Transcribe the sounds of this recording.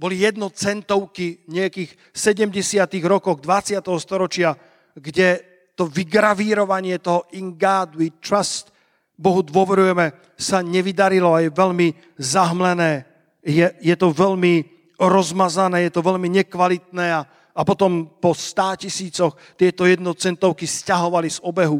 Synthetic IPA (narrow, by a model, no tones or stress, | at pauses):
bɔlijɛd̪̚nɔt͡sɛnt̪ɔʊkiɲɛakiːx | sɛɟɛmɟɛsɪat̪iɣɾɔkɔɣd̪ʋat͡sɪat̪ɛɦɔst̪ɔɾɔt͡ʃɪa | ɡɟɛ | t̪ɔʋiɡɾaʋiːɾɔʋaɲɪɛt̪ɔɦɔiŋɡaːd̪it̪ɾast̪ | bɔɦud̪ʋʊɔʋɛɾujɛmɛ | saɲɛʋid̪aɾilɔajɛʋɛʎmi | zaɦmlɛnɛː | jɛjɛt̪ɔʋɛʎmi | ɾɔzmazanɛːjɛt̪ɔʋɛʎmiɲɛkʋalit̪nɛːaː | pɔt̪ɔmpɔst̪aːcisiːt͡sɔx | t̪ɪɛt̪ɔjɛd̪̚nɔt͡sɛnt̪ɔʊkiscaɦɔʋalizɔbɛɦu